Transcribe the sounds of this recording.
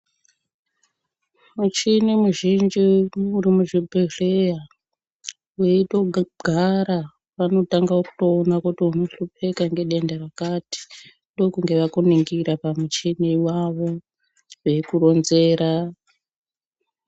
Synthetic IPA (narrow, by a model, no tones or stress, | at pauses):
mut͡ʃinimuʒind͡ʒiuɾimuʐibʱereja | eito̞ɡʱaɾa | ʋano̞taŋɡaoku̥toːnakutiuno̞ɬupe̞kaŋɡe̞ɗe̞ndarakati̥ | ndo̞kuŋɡe̞ʋakoniŋɡiɾapamut͡ʃiniwaʋo̞ | wekuro̞nze̞ːɾa